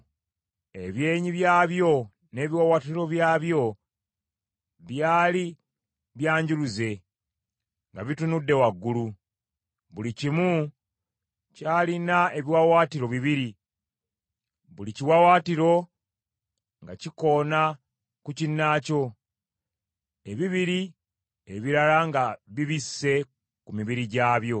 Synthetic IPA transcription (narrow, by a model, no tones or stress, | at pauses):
e̞βje̞ːɲiβjaːβjo̞ | ne̞ːβiwawaːtiɾo̞βjaːβjo̞ | βjaːli | βjaːɲɟuluze̞ | ŋɡaβitunudːe̞waɡːulu | βulicimu | caːlinae̞βiwawaːtiɾo̞βiβiɾi | βuliciwawaːtiɾo̞ | ŋɡaciko̞na | kucinːaːco̞ | e̞βiβiɾi | eβiɾalaŋɡaβiβisːe̞ | kumiβiɾiɟaːβjo̞